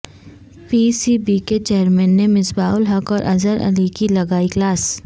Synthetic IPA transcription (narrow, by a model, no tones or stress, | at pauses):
piːsibiket͡ʃeːəɾmɛ̃ːnːemɪsbaːʊlɦɐkɔːɾʔɐzəɾɐ̰likilɐɡaːiklaːs